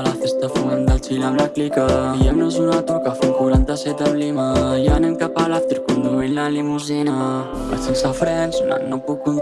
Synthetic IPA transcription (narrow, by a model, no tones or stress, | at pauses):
lafest̪afuand̪alt͡silamlaklikəiamnazunat̪ukafuŋkuɾant̪aset̪amlejanankapalafd̪iɾikund̪uenlanlemuzena | a̰t͡sinsafɾɛnsuna̰nnapukun